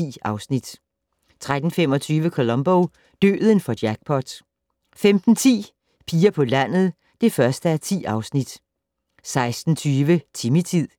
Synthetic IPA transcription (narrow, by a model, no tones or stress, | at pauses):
ḭːɑ̈ʊsnid̥ | t͡sʰʁad̥n̩femɒ̽t͡sʰyːʋəkʰo̝lɒ̽mb̥oʊ | d̥ø̰ːðˠənfɒ̽d̥jæɡ̥̚pʰɒd̥ | femd̥n̩t͡sʰḭː | pʰiːɐpʰɒ̽læn̰ð̩ˠ | d̥e̝fɶɐsd̥əæɐt͡sʰḭːɑ̈ʊsnid̥ | sɑ̈ɪsd̥n̩t͡sʰyːʋət͡sʰimit͡sʰið̰ˠ